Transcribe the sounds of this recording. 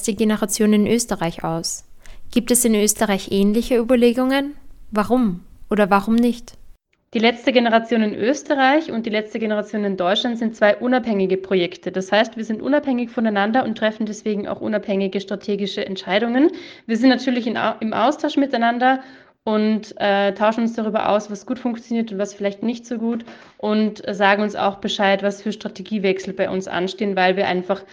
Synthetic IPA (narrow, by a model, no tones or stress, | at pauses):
sd̥iːɡenəʁat͡sjoːnɪnʔøːstəʁaɪçʔa̰ʊsɡ̥iːp̚tɛsɪnʔøːstəʁaɪçʔɛːnlɪçəyːbɐleːɡʊŋənvaʁʊmʔoːdɐvaʁʊmnɪçt | d̥iːlɛt͡stəɡenəʁat͡sjoːnɪnʔøːstəʁaɪçʊnt̚d̥iːlɛt͡stəɡenəʁat͡sjoːnɪndɔʏtʃlantz̥ɪnt̚t͡sv̥aɪʔʊnaphɛŋɪɡəpʁ̥ojɛktʰəd̥ashaɪstv̥iːɐzɪntʔʊ̰naphɛŋɪçfɔnaɪnandɐʊntʁ̥ɛfn̩dɛsv̥eːɡŋ̩a̰ʊxʔʊ̰naphɛŋɪɡəʃtʁ̥atʰeːɡɪʃəʔɛ̰ntʃaɪɾʊŋənviːɐzɪntnatʰyːɐlɪçɪɪmʔa̰ʊstʰaʊʃmɪtaɪnandɐ | ʔʊntʔɛːtʰːaʊʃn̩ʊnsd̥aʁ̞yːbɐ̰ʔa̰ʊsv̥asɡ̥uːtfʊŋkt͡sjoniːɐtʊntv̥asfɪlaɪçtnɪçtz̥oːɡuːt | ʔʊntzaːɡŋ̩ʊnsa̰ʊxb̥əʃaɪtvasfyːɐʃtʁ̥atʰeɡiːvɛksl̩baɪʔʊ̰nsʔa̰nʃteːənvaɪlviːɐʔa̰ɪnfaχ